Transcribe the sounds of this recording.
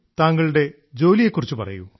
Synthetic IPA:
t̪aːŋːɐɭuɽe̞ | d͡ʑo̞ːlijekːurit͡ɕːupɐ̰rɐ̰jṵ

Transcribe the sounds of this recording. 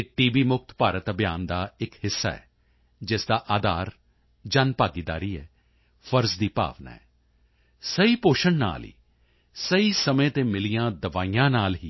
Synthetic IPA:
ɪʈiːbiːmʊk̚t̪paːɾət̪əbjaːnd̪aːɪkɦɪsːa̰ːɛ̰ː | d͡ʒɪsd̪aːʔaːd̪aːɾ | d͡ʒaːnpaːɡid̪a̰ːɾiːɛː | fʰəɾzd̪iːpa̰ːʋna̰ːɦɛː | səiːpoːʃənna̰ːlḭː | səiːsəmẽːt̪eːmɪlijãːd̪əʋaːijãːnaːlɦiː

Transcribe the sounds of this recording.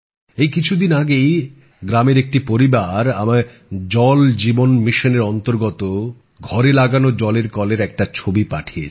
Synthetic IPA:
ejkit͡ɕʰud̪inaɡej | ɡɾameɾek̚ʈipoɾibaɾama | d͡ʑɔld͡ʑibonmiʃoneɾɔnt̪oɾɡɔt̪o | ɡʱɔɾelaɡanod͡ʑɔleɾkɔleɾɛk̚ʈat͡ɕʰobipa̰ʈʰie

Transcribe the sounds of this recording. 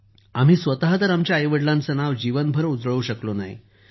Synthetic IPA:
am̤iːsʋət̪aɦat̪əɾamt͡ɕjaːjʋəɽlãnt͡sənaʋd͡ʑiʋənbʱəɾəud͡zɭuɕəklona̰ɦḭ

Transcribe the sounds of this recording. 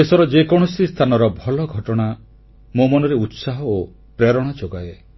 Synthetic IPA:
esɔɾɔd͡ʒekɔɽ̃ɔsist̪ʰanɔɾɔbʱɔlɔɡʱɔʈɔɽ̃a | momɔnɔɾeut̪saɦɔo | pɾeɾɔɽ̃ad͡ʒoɡae

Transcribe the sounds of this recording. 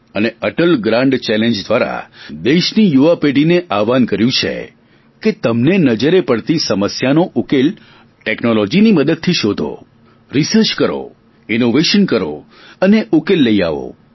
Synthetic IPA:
əneəʈəlɡɾãɳɖt͡ʃɛlẽnd͡ʒd̪ʋaɾa̰d̪eʃnijuʋapeɖineʔaʋankəɾjũt͡ʃʰḛ | ket̪əmnenəd͡ʒəɾepəɽt̪isəməsjanoʔukel | ʈeknolɔd͡ʒiniməd̪əd̪̚t̪ʰiʃod̪ʱo̰ | ɾisəɾt͡ʃkəɾo̰ | ɪnoʋeʃənkəɾo̰ | əneʔukelːəia̰ʋo̰

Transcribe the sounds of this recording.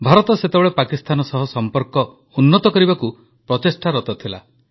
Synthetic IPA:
bʱaɾɔt̪ɔset̪ebɔɭepakist̪ʰanɔsɔɦɔsɔmpɔɾkɔ | unːɔt̪ɔkɔɾibaku | pɾɔt̪esʈʰaɾɔt̪ɔt̪ʰila̰

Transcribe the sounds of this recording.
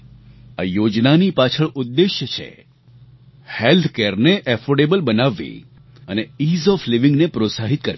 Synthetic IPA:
a̰jod͡ʒnanipat͡ʃʰəɭʊd̪ːeʃjət͡ʃʰḛ | helt̪ʰkeɾneʔɛfoɖebəlbənaʋːḭ | əneizɔfliʋɪ̃ŋɡnepɾosaɦit̪kəɾ

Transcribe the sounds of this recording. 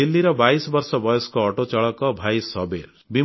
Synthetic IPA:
ilːiɾɔbaisɔbɔɾsɔbɔjɔskɔːʈot͡ʃɔɭɔkɔbʱajsɔbeɾ | bi

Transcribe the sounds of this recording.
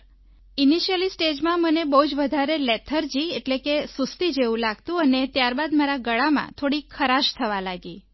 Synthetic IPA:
iniʃəlisʈed͡ʒmãmənebəɦud͡ʒʋəd̪ʱaɾelet̪ʰəɾd͡ʒieʈlekesust̪id͡ʒeʋũlaɡ̚t̪ũənet̪jaɾbad̪maɾaɡəɭamã̰t̪ʰoɽikʰəɾaʃt̪ʰəʋalaɡi

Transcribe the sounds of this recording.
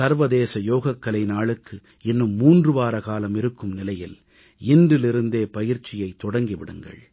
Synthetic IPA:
sɐɾʋɐðeːsɐjoːɣɐkːɐlɐɪnaːɭɯkːɯ | ɪnːɯmːuːndrɯʋaːɾɐkaːlɐmɪɾɯkːɯmnɪlɐjɪl | ɪndɪlɪɾɯnd̪eːpɐjɪɾt͡ʃːɪjɐɪt̪ːɔɽɐŋɡiʋɪɽɯŋɡɐ̰ɭ

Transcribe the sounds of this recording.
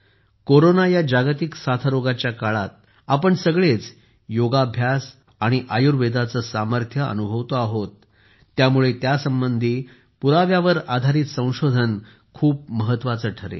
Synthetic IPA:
koɾonajad͡ʑaɡt̪iksat̪ʰəɾoɡat͡ɕjakaɭat̪̚ | apəɳsəɡɭet͡s | joɡabʱjas | aɽ̃iʔajuɾʋed̪at͡səsaməɾt̪ʰjəə̰nubʱəʋt̪oaɦot̪ː | jamuɭet̪jasəmbənd̪ʱiː | puɾaʋjaʋəɾad̪ʱaɾiːt̪sə̃w̃ɕod̪ʱən | kʰuːp̚məɦət̪ːʋat͡səʈʰəɾḛ

